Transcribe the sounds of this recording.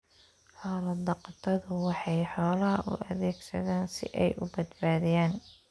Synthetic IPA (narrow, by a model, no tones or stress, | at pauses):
ħɔːlɐd̪ɐqt̪ʰɐðʊwɑħɑjħɔːlɐɦɐʔʊ̰ʔɐðɛːɡsɐ̰ðaːnsɪ̰ʔɛjʔʊbɐd̪baːðɪjaːn